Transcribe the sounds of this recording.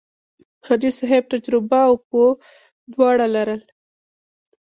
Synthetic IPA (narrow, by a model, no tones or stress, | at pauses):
had̪isaɦeb̚t̪ad͡ʒɾɪbaʊpo | d̪wɑɽalaɾəl